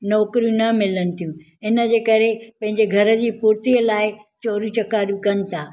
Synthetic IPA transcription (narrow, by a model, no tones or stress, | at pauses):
nɔːkɾijũnɐmɪlənɪ̆t̪ʰijũ | ɪnə̆d͡ʑeːkɐɾepɐ̃ɦɪ̃ɲd͡ʑeɡʱɐɾə̆d͡ʑiːpuɾt̪iəlaːɪt͡ɕɔːɾĩt͡ɕɐkaːɾjũkɐnɪ̆t̪ʰaː